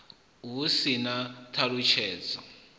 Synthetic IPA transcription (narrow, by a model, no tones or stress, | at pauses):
ɦusinatʰaɺut͡ʃʰɛːd͡zɔ